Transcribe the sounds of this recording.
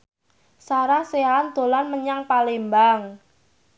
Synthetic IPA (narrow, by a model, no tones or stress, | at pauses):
saɾahseand̪̥o̤lanməɲaŋpalembaŋ